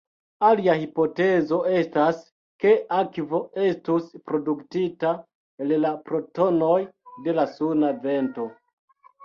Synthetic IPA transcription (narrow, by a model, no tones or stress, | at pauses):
aliahipo̞te̞zo̞e̞stas | ke̞akvo̞e̞stuspɾo̞duktita | ellapɾo̞to̞no̞jde̞lasunave̞nto̞